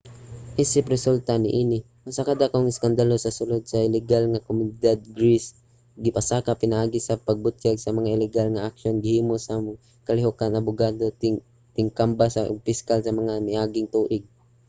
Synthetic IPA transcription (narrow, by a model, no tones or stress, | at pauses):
ʔiːsɪpɾɛsult̪anɪʔiːnɪ | ʊŋsakad̪akaoŋɪskand̪alosɐsʊlod̪̚saʔɪlɛɡalŋakomʊnɪd̪ad̪̚ɡɾis | ɡɪpasaːkapɪnaʔaːɡɪsapaɡ̚bʊt̪jaɡsɐmɐŋaʔɪlɛɡalŋaʔakʃonɡɪhiːmosa | kɐlɪɦokanɐbʊɡaːd̪o | t̪ɪŋkambasapɪskalsɐmɐŋamɪʔaːɡɪŋt̪uːʔɪɡ̚